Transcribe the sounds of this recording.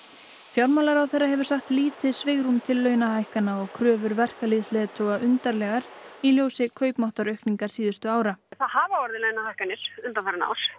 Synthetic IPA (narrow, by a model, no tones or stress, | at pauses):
fjawɾmalaɾawθɛrːaɦɛvʏɾ̥saxt̪liːt̪ɪsvɪɣɾumt̪ʰɪlːœːɥnahajhkanːaɔɣkʰɾœːvʏɾvɛr̥kalɪðsleːðɪt̪ʰoːwɣaʔʏnt̪aɾlɛɣaɾiljoːwsɪkʰœːɥpmaht̪aɾœɥhkniŋkaɾ̥siːðʏ̥st̪ʏaːwɾaθaðhaːvaɔɾðɪlœːɥnahajhkanɪɾ̥ʏnt̪amfɛɾɪna̰ːwɾ̥